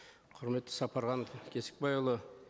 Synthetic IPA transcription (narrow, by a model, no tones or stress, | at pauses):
qʰʊɾme̞t̪ːɪ̥sɑpɑɾʁɑnkʲʰe̞sɪ̥k̚bɑjlˠə